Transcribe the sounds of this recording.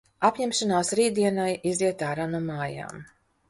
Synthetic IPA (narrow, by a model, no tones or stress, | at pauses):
apɲɛmʃanaːsɾiːd̪iɛnajiziɛt̪aːɾanuːmaːja̰ːm